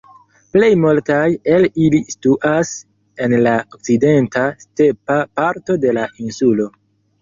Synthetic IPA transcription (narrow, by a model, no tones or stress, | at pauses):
ple̞jmultaje̞lilistuʔas | e̞nlaok̚t͡side̞ntaste̞papaɾto̞de̞laʔinsulo̞